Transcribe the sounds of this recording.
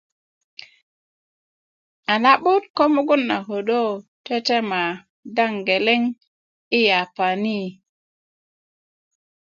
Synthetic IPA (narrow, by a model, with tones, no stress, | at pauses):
a˨na˦ɓu˦t̚ko˦mu˦ɡu˦nːa˨ko˨ɗo˦te˦te˦ma˨ | da˦ŋɡe˨le˦ŋ | i˦ja˨pa˨ni˦